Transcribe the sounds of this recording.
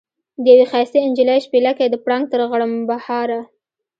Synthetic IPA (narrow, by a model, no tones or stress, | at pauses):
d̪əjawexɑjst̪eɪnd͡ʒilajʃpelakajd̪əpɽɑŋɡ̚t̪əɾɣaɽəmbahɑɾa